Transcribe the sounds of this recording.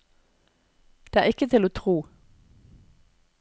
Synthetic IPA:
d̪̥eːæːɪkət̪ʰɪloːt̪ʰʁuː

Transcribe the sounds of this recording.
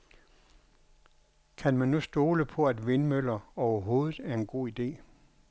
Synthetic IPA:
kʰænmænːusd̥o̝ːləpʰɒ̽æd̥ʋe̝nmøl̰ɐɒʊɐɦo̝ːðˠð̩ˠæɐe̝nɡ̥o̝̰ːid̥e̝̰ː

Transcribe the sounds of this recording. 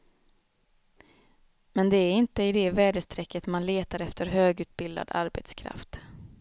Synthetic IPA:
mɛnd̪ɛæɾɪnt̪əɪd̪ɛvæːɖəst̪ʰɾɛkːət̪manleːt̪aɾɛft̪əɾɦøːɡʉ̟ːt̪̚bɪld̪a̰d̪a̰ɾbɛt̪skʰɾa̰ft̪

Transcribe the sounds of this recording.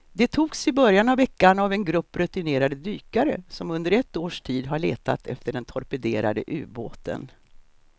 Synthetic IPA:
d̪ɛt̪ʰuːɡsɪbœɾjanavːɛkːaɳavɛnɡɾɵpːɾɵt̪ɪneːɾad̪əd̪yːkaɾə̰sɔmɵnd̪əɾɛt̪ːoːʂʈʰiːd̪ɦaɭḛːt̪a̰t̪ʰɛ̰ft̪əɖɛnt̪ʰɔɾpɛd̪eːɾa̰d̪ə̰ʔʉ̟̰ːboːt̪ə̰n

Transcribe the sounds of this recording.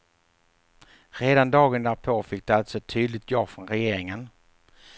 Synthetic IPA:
ɾeːd̪and̪ɑːɡənd̪æːɾpʰofɪk̚ːd̪ɛalt̪sɔt̪ʰyːd̪lɪt̪jɑːɡfɾɔnɾɛjeːɾɪŋən

